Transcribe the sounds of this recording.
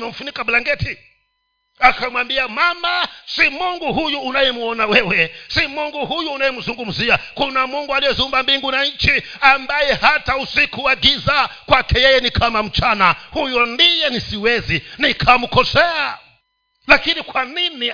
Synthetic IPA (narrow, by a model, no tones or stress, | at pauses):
nam̩funikabulaŋɡɛtʰi | akʰamwambiamamasimuŋɡuɦujuːnajɛmuɔnawɛwɛsimuŋɡuhujuːnajɛmuzuŋɡum̩ziakunamuŋɡualijɛzumbambiŋɡunait͡ʃi | ambajɛhatausikuwaɡizakwakʰɛjɛjɛnikʰamam̩t͡ʃanahujɔndijɛnisiwɛzinikʰamukɔsɛa | lakinikwanini